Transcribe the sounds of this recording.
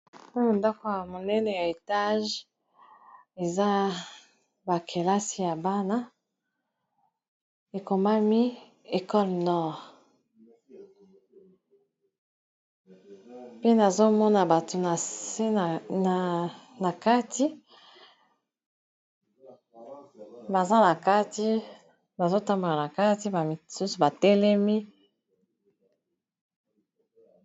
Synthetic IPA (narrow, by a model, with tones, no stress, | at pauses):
nda˦ko˨ja˨mo˨nɛ˦ne˨ja˨e˨ta˦ʒ | e˨za˦ | ba˨kʰe˨la˦si˨ja˨ba˦na˦ | e˨ko˨ma˦mi˦ | e˨kɔ˦lnɔ˦ʁ | pi˦na˨zo˦mɔ˦na˨ba˨to˨a˨˦˨ | na˨ka˦ti˦ | ba˨za˦na˨ka˦ti˦ | ba˨zo˦ta˦mbo˨la˨na˨ka˦ti˦ba˨su˦su˨ba˨tɛ˦lɛ˦mi˦